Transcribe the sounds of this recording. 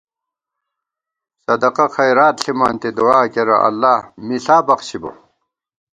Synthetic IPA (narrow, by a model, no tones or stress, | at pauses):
sɐd̪ɐqɐxɐjɾaːt̪ɬima̰ːnt̪id̪uwaːkeɾɐ̰ʔɐ̰lːaːmiɬaːbɐqɕibo̰